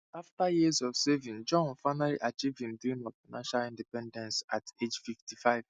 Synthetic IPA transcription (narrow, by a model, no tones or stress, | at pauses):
aftajizɔvsɛvĩnd͡ʒɔ̃nfaɪnalḭʔat͡ʃivdĩmdĩnɔv̥faɪnãnʃalĩndipɛ̃ndɛ̃nsated͡ʒfiftifaɪv̥